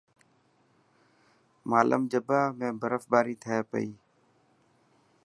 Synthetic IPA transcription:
maːlə̰md͡ʒəbaːmẽːbəɾəfɓaːɾiːt̪ʰəjaːpə̰iː

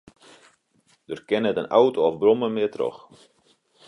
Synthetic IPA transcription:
dørkɪnətənawtoɔfbrɔməmɪətro̰x

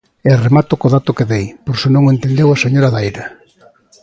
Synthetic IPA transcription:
eremat̪ʊkoðat̪ʊkeðejpoɾsonõŋent̪end̪ewaseɲoɾaðajɾa

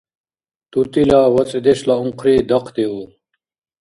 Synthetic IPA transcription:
t̪ut̪ilaːwɐt͡sʼd̪eɕlaũŋqɾiːd̪ɐqʰd̪eu

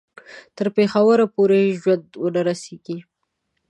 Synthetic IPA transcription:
t̪əɾpexawəɾapoɾeʒwand̪wənaɾaseɡi

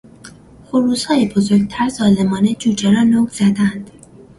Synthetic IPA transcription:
foɾuːzhɒːjebozoɾɡ̚t̪ʰæɾzɒːle̞mɒːne̞d͡ʒuːd͡ʒeɾɒːnoːɡz̥æd̪ænd̪̥

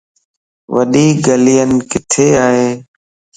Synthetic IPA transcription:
ʋəɗiːɡəlijənkɪt̪ʰeːaːɦeː

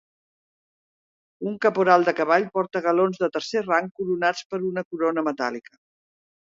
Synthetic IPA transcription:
uŋkəpuɾalˠd̪əkəβ̞aʎpɔɾt̪əɣəlonzðət̪əɾseraŋkuɾunat͡spəɾunəkuɾonəmət̪a̰likə

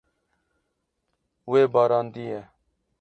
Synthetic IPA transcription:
ʊeːbaːɾaːnd̪iːeː

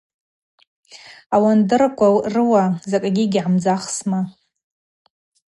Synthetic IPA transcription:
awandɨrakʷʰʼarɨwazakʼaɡʲɪɡʲʕamd͡zaχsma

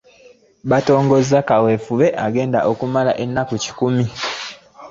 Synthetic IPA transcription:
βato̞ːŋɡo̞zakawefuβe̞ʔaɡe̞ːnda̰ʔokumala̰ʔenːakuci̥kumi

